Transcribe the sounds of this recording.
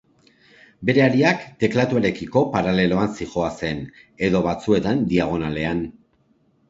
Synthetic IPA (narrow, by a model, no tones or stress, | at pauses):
be̞ɾe̞aɾiakt̪e̞klat̪uaɾe̞kiko̞paɾale̞lo̞ansixo̞ase̞n | e̞ðo̞βat͡sue̞t̪and̪iaɣ̞o̞nale̞an